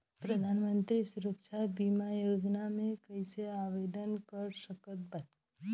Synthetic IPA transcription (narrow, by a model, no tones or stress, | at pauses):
pɾɐd̪ʱaːnmə̃nt̪ɾisʊɾəkʃʰabimajoːd͡ʒnamẽkɐiseaːʋeːd̪ənkəɾsəkət̪̚bɐt̪